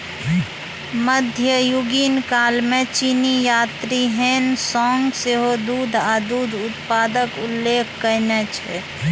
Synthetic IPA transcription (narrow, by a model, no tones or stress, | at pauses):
məd̪ʱjəjʊɡinkaːlmẽt͡ʃinijaːt̪ɾiɦensɔːŋɡseɦod̪uːd̪ʱaad̪uːd̪ʱʊt̪paːd̪əkʊlːeːkʰkəɾnɛt͡ʃʰɛ